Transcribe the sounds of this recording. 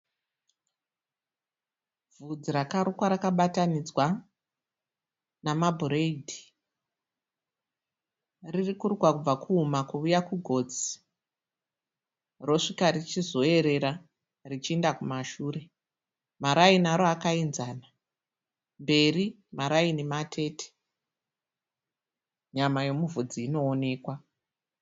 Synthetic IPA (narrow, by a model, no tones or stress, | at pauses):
vud͡ziɾakaɾukwaɾakaɓatanid͡zwa | namabʱureidʱi̥ | ririkuruɡwakub͡vakʰuːmakuːjakuɡʱo̞ːd͡zi̥ | ro̞ʂikarit͡ʃizo̞e̞ɾe̞ɾa | rit͡ʃiendakumaʃuːɾe̞ | maɾainaɾoakainzana | mbe̞ri | maɾainematʰe̞ːtʰe̥ | ɲamajo̞muvud͡ziːno̞ːne̞ːkwa